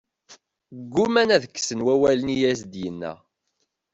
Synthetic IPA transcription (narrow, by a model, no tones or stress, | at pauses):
ɡːumænæðəkːsənwæwælənijæsd̪jənːæ̰